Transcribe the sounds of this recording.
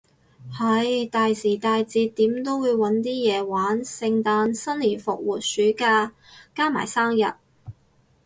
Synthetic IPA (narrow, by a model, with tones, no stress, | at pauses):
hɐ˨jt̪aː˨˧jsiː˨˩t̪aː˧jt͡siː˧t̪ːiː˨˥mt̪o˥wwuː˨˧jwɐ˨˥nt̪̬iː˥jɛː˨˧waː˨˥nsɪ˧ŋt̪aː˧nsɐ˥nliː˨˩nfʊ̰˨k̚wuː˨t̚syː˨˥kaː˧ | kaː˥ma̰ː˨˩jsaː˥mjɐ̰˨t̚